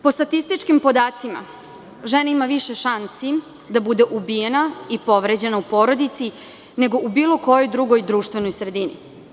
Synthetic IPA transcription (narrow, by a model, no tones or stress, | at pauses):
po̞st̪at̪ist̪it͡ʃkimpo̞d̪aːt̪sima̰ | ʒenaimaʋiʃeʃansi | d̪abud̪eʔubijenaipo̞ʋɾed͡ʑe̞naupo̞ːɾo̞d̪it̪si | ne̞ɡo̞ʔubiːlo̞ko̞jojd̪ɾuɡo̞jd̪ɾuːʃt̪ʋe̞no̞jsɾe̞d̪inḭ